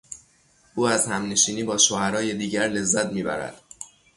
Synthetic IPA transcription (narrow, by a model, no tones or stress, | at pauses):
ʔuːæzhæmne̞ʃiːniːbɒːʃohæɾɒːje̞d̪iːɟæɾle̞zːæt̪ʰmiːbæ̰ɾæ̰d̪̥